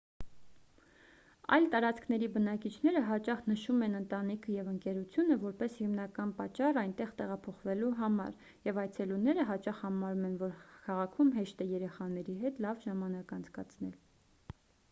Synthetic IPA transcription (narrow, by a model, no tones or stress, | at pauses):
ɑ̰jlt̪ɑɾɑt͡skʰnɛɾibənɑkit͡ʃʰn̪ɛɾəɦɑt͡ʃɑχnəʃumɛnənt̪ɑnikʰəjɛvəŋkɛɾut͡sʰjunəvɔɾpɛshimnɑkɑnpɑt͡ʃːɑrɑjnt̪ɛʁt̪ɛʁɑpʰɔχvɛluɦɑmɑ̰ɾ | jɛvɑj̪t͡sʰɛlunɛɾəɦɑt͡ʃɑχhɑmɑɾumɛnvɔɾkʰɑʁɑkʰumɦɛʃt̪ɛjɛɾɛχɑnɛɾiɦɛt̪lɑvʒɑmɑnɑkɑnt͡skɑt͡sʰnɛl